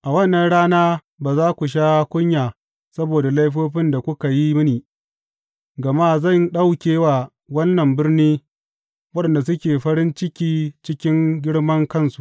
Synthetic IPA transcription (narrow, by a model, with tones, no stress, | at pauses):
ʔa˨wɐ˦nːɐ˨nɽaː˦naː˦ | baː˨zaː˦kʷu˨ʃ̬aː˦kʷʊ˦ɲjaː˨ | sɐ˦boː˨da˨la˦jɸoː˦ɸɪ˦nda˨kʷʊ˦ka˨ji˦m˦niː˨ | ɡɐ˨maː˦zɐ˦˨nɗa˦wkʲeː˦wa˨ | wɐ˦nːɐ˨mbɪ˦rniː˦ | wɐ˦ɗɐ˨nda˨s̬ʊ˦kʲeː˨ɸɐ˦ɾɪ˦nt͡ʃɪ˦kʲiː˦t͡ʃɪ˦kʲɪ˦ŋɡʲɪ˦ɽmɐ˦ŋkɐ˦˨nsu̥˨ʔ